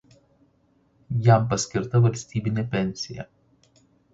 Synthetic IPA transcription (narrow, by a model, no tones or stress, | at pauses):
jɛˑmpɐsʲkʲɪɾt̪ɐʋɐlʲsʲt̪ʲiːbʲɪnʲeːpʲɛnʲsʲɪjɛ̰